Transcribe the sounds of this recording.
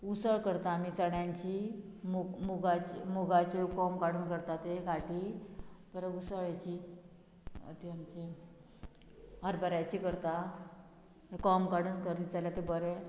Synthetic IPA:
usəɭkəɾt̪aːmiːt͡səɳjaɲt͡ɕi | mumuɡat͡ɕimuɡat͡ɕekɔmkaɽuːnkəɾt̪at̪eɡaʈipəɾusəɭat͡ɕi | ə̰t̪iamt͡ɕi | ɦəɾbəɾajt͡ɕikəɾt̪a | ekɔmkaɽuːnkəɾd̪it͡salat̪ebəɾe

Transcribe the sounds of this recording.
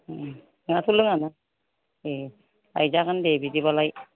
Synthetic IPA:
ŋatʰulɯŋana | e | a̰jzakandebidibalaj

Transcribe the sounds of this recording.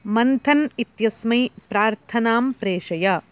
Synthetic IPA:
mɐnt̪ʰɐnit̪jɐsmɐjpɾaːɾt̪ʰɐnaːmpɾeːʂɐjɐ

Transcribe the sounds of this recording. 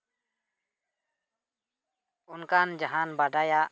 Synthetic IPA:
unkand͡ʒaɦanbaɖajaʔ

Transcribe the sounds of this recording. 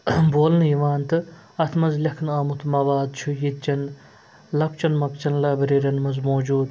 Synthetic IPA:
boːlnjiʋaːnt̪ɨ | ɐt̪ʰmɐzlʲɐkʰnɐːmut̪ʰmɐbaːd̪̚t͡ʃʰujit̪̚t͡ʃɐn | lɐkt͡ʃɐnmɐk̚t͡ʃɐnlɐbɐɾiɾʲɐnmɐzmoːd͡ʒuːd̪

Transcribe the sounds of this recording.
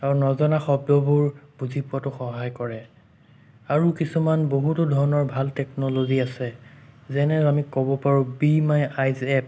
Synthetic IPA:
aɹnɔzɔnaxɔb̚dɔbuɹb̥uzʱipʊatʊxɔɦajkɔɹɛ | aɹukisumanboɦutʊdʱɔɹɔnɔɹbʱaltɛknɔloɡiasɛzɛnɛamikɔbɔpaɹũbimajajzɛp̚

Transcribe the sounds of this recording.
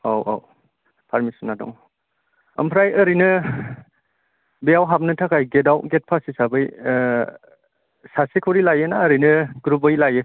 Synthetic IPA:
awa̰w | pʰaɾmisunːadɔ̰ŋ | ɐ̰mpʰɾajəɾinɯ | bijawɦap̚nɯtʰakajɡedawɡet̚pʰasisabɯj | sasikʰɔwɾilajɯnaːɾinɯɡɾubɯjlajɯ

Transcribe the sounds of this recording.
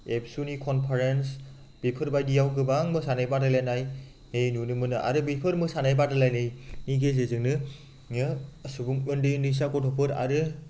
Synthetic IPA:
epsunikʰɔnpʰaɾens | b̥ipʰɯɾbajdijawkɯbaŋmɯsanajbadalanaj | hejnunɯmɯnɯa̰ɾɯbipʰɯɾmɯsanajbadɯlajnɯjnikez̬ezɯŋnɯ | ɯsubuŋɯndɯnis̬akɔtʰɔpʰɯɾa̰ɾɯ

